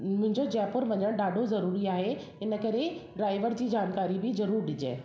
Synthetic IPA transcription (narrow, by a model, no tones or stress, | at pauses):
mʊ̃ɦɪ̃ɲd͡ʑod͡ʑaːpʊɾʋɐɲəɽ̃ɗaːɖʱozɐɾuːɾiaːɦe | ɪnə̆kɐɾeɖɾaːɪʋəɾd͡ʑiːd͡ʑaːnkaːɾibɪzɐɾuːɾɗɪd͡ʑḛː